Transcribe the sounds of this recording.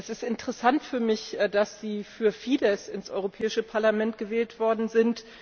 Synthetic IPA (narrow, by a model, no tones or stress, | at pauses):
ʔɛsɪstɪntəʁɛsantfyːɐmɪçd̥asz̥iːfyːɐfiːdɛsɪnsʔɔ̰ʏʁopʰɛːɪʃəpʰaɐlamɛnt̚ɡ̥əvɛːltv̥ɔɐdn̩zɪnt